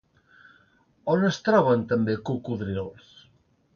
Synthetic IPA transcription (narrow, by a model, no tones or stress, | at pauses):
onest̪ɾɔβɐnt̪ɐmbekukuðɾinols